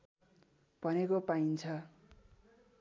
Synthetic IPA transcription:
b̥ʱʌnekopaint͡sʰʌ

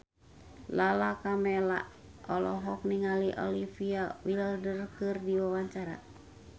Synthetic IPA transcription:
lalakamɛla̰ | ɔlɔɦɔk̚niŋaliʔɔ̰lifiawiləldərkɨrdiwawaɲt͡ʃaɾa̰

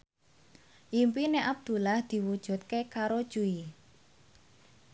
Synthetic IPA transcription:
ʔimpineʔab̚d̪̥ṳlahd̪̥i̤wud̥ʒ̥ṳt̪̚kekaɾod̥ʒ̥ui

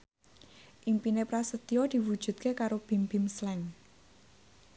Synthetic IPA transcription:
ʔimpinepɾasət̪iɔd̪̥i̤wud̥ʒ̥ṳt̪̚kekaɾob̥i̤mb̥i̤mslɛŋ

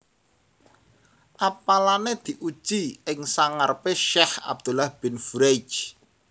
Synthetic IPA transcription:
ʔapalaned̪̥i̤ʔu̥ʒ̥iɪŋsaŋarpeʃɛha̰b̚d̪̥ṳlahb̥ɪ̤nfuɾejd͡ʒ

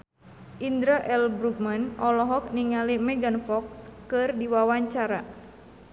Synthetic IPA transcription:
ʔind̪ɾaʔɛlbɾuk̚manɔlɔɦɔk̚niŋalimɛɡanfɔkskɨrdiwawaɲt͡ʃaɾa

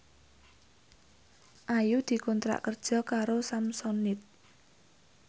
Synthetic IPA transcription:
ʔajud̪̥i̤kɔnt̪ɾa̰ʔkərd̥ʒ̥ɔ̤kaɾosamsɔnɪt̪̚

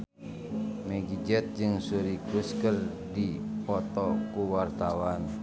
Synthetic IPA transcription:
mɛɡid͡ʒɛt̪̚d͡ʒɨŋsuɾikɾuskər | dipɔt̪ɔkuwart̪awan

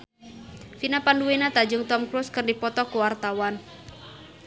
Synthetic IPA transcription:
finapanduenat̪ad͡ʒʊŋt̪ɔmkɾuskɨrdipɔt̪ɔkuwart̪awan

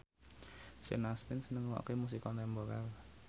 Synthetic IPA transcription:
sḛnast̪ɪnsənəŋwɔ̰kemus̬ikɔnt̪ɛmboɾal

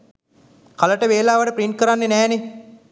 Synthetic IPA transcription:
kaləʈəʋeːlaːʋəʈəpɾiɳʈ̚kəɾanːenɛːne

